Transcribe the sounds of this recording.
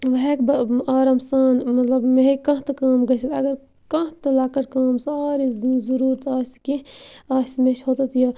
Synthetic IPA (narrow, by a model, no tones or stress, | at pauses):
ʋɐɦekbɐaːɾɐmsaːnmɐt̪lɐbmeɦkɐ̃ɦt̪ɐkaːmɡɐsit̪ɐ̰ɡɐɾ | kɐ̃t̪ɐlaːkɐɾkaːmsaːɾizɐɾuːɾt̪aːskeaːsmeʃhot̪ɐt̪ʰjɐː